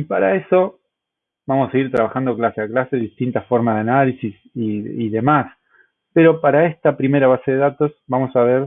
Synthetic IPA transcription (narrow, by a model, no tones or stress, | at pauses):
ipaɾae̞so̞ | bamosaseiɾt̪ɾaβaxand̪o̞klaseaklaseðist̪int̪afo̞ɾmazðeanalisis | iiðe̞mas | peɾo̞paɾae̞st̪apɾime̞ɾaβ̞ase̞ðeðat̪o̞sbamo̞saβ̞eɾ